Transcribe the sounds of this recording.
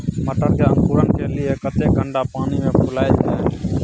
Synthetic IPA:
məʈəɾkemkuːɾənkʰeːlɪeːkət̪eːɡəɳɖaːpaːniːmẽːpʰʊlaːjd͡ʒeː

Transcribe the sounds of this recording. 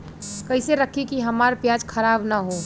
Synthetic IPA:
kəɪseɾəkʰikiɦəmaːɾpjaːd͡ʒkʰəɾaːbnaɦo

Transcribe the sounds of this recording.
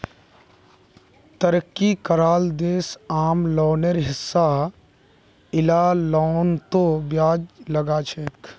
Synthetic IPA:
t̪əɾəkːikəɾaːld̪eːsaːmlɔːnəɾɦɪsːa | ɪlalɔːnt̪objaːd͡ʒləɡat͡ʃʰeːk

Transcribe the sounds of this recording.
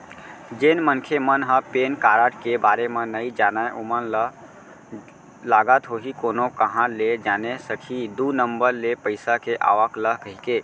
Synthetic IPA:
d͡ʒeːnmənkʰemənɦə̃peːnkaːɾəʈkebaːɾemẽnəid͡ʒaːnaeʔomənlə | laːɡət̪ɦoɦikoːnokəɦãled͡ʒaːnesəkʰid̪unəmbəɾlepəɪsakeʔa̰ːʋəkləɦkəɦikeː

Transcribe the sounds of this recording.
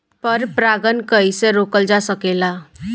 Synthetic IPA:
pəɾpɾaɡənkəjseɾokəld͡ʒasəkela

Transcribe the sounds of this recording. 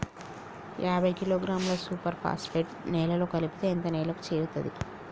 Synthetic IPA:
jʔaːbʱɐjkiloːɡɾaːmloːsuːpɐɾpʰa̰ːspeːʈnɛːlɐlo̞ːkɐlipi̥t̪eːnt̪ɐnɛːlɐku̥t͡ʃeːɾut̪ɐd̪ḭ

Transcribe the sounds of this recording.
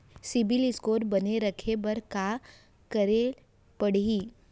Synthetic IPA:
sɪbiliskoːɾbɐneɾəkʰebɐɾka | kəɾe | pəɽ̤iː

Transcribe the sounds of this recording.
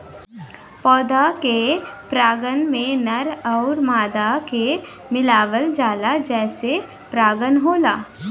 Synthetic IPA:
pɔːd̪akepɾaːɡənmẽnɐɾɔːɾmaːd̪ake | mɪlaːʋəld͡ʒaːlad͡ʒɛːse | pɾaːɡənɦoːlaː

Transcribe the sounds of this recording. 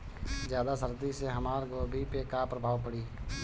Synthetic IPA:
d͡ʒjaːd̪asəɾd̪iseɦəmaːɾɡoːbʱipekapɾəbʱaːʋpəɽiː

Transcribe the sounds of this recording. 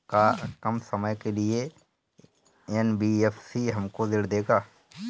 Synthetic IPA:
kakəmsəməjkelɪe | ɛnbiefsiɦɐmkod̪ɪɽd̪eːɡaː

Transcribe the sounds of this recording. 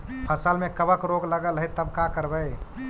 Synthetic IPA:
pʰəsəlmẽkəbəkɾoɡləɡəlɦet̪ːəbkakəɾbə

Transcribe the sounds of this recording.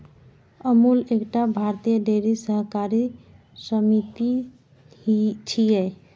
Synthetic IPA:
əmulekʈabʱaɾt̪ijəd̪eɾisəɦkaɾi | səmit̪i | t͡ʃʰiɛ

